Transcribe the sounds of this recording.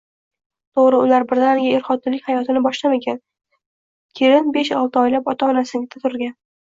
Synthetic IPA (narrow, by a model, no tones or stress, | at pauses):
t̪ʰoʁɾɪʊlaɾbɪɾd̪anɡʲaeɾχɒt̪ʰːɪlɪkʲhajɒt̪ʰɪnɪbɒʃlame̞kʲʰan | kʲʰeɾɪnbe̞ʃɒlˠt̪ʰɪɒjlapɒt̪ʰaɒnasɪɡʲɪt̪ʰat̪ʰʊɾɡʲan